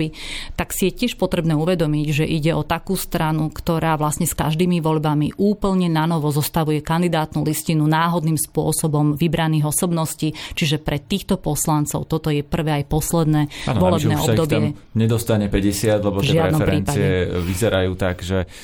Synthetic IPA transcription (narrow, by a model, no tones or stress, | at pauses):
it̪aksijɛcɪɛʃpɔt̪ɾɛbnɛːuʋɛd̪ɔmiɟʒɛʔiɟɛɔt̪akuːst̪ɾanukt̪ɔɾaːʋlasɲɛskaʒd̪iːmiʋɔʎbamiʔuːpl̩ɲɛnanɔʋɔzɔst̪aʋujɛkand̪id̪aːt̪nuliscinunaːɦɔd̪niːmspʊɔsɔbɔmʋibɾaniːɣɔsɔbnɔsciːt͡ʃiʒɛpɾɛt̪ːiːxt̪ɔpɔslant͡sɔʊt̪ɔt̪ɔjɛpr̩ʋɛːajpɔslɛd̪nɛːanʋɔlɛb̪ɛːɔbd̪ɔbɪɛɲɛd̪ɔst̪aɲɛpɛɟɛsɪad̪lɛbɔtʒɪadɛnɔmɛɾpɛɾːnt͡saiɛʋizɛɾajuːt̪aɡʒɛ